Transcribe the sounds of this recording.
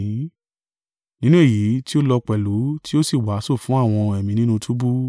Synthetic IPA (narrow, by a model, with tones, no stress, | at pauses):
nĩ˦nũ˦e˦˨ji˨˦ti˦o˦lɔ˧k͡pɛ˨lu˨˦tʰi˦o˦si˦˨wa˨˦so˦˨fũ˨˦a˦˨w̃ɔ̃˧ɛ˨mĩ˧nĩ˦nũ˦˧tʰu˦bu˦